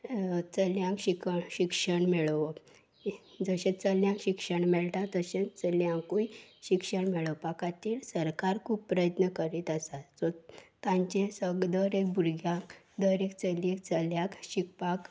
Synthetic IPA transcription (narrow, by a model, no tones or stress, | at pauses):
t͡səljãkɕikəɕikʂəɳmeɭʋə | d͡zəɕẽt͡səljãŋkɕikʂəɳmɛɭʈ̪ãt̪əɕẽt͡səljãŋkuiɕikʂəɳmeɭəʋpakat̪iːɾsəɾkaɾkʰuːpːpɾəjət̪nəkəɾit̪əsad͡zɔt̪ãɲt͡ɕẽsəɡd̪əɾek̚bʱuɾɡʱjãk | d̪əɾekt͡səljek̚t͡səljãkɕikpak